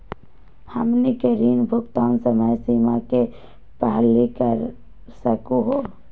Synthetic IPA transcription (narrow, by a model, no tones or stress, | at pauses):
hɐ̰mnikəɾiːnbʱʊkt̪aːnsəməjsiːmake | pəɦlːikəɾ | səkuɦoː